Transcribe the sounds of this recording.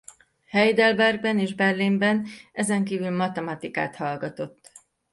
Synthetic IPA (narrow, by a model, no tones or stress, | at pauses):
hɛjd̪ɛlbɛrɡ̚bɛneːʒbɛrlimbɛnɛzɛŋkiːvylmɒt̪ɛmɒt̪ika̰ːt̪hɒlɡɒt̪o̞t̪ː